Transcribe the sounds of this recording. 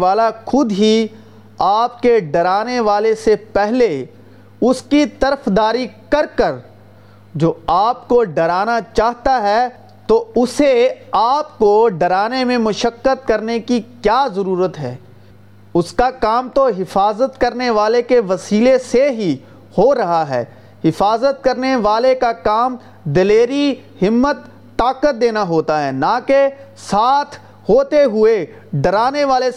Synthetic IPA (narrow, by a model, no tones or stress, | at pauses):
aːlaxʊd̪ɦi | aːp̚keɖɐɾaːneʋaːlesepɛɦle | ʊskit̪ɐɾəfd̪aːɾikɐɾkəɾ | d͡ʒoːaːpkoɖɐɾaːnat͡ʃaːɦt̪aɦɛ | t̪oʊseaːpkoɖɐɾaːnemẽmʊʃəkːət̪̚kɐɾnekikjaːzɐɾuːɾət̪ɦɛ̰ː | ʊskakaːmt̪oɦɪfaːzət̪kɐɾneʋaːlekeʋɐsiːleseɦi | hoɾɐɦaɦɛ̰ː | ɦɪfaːzət̪̚kɐɾneʋaːlekakaːm | d̪ɐleːɾi | ɦɪmːət̪ː | aːkət̪̚d̪eːnaɦoːt̪aɦɛːnãːke | saːt̪ʰ | hoːt̪eɦʊe | ɖɐɾaːneʋaːle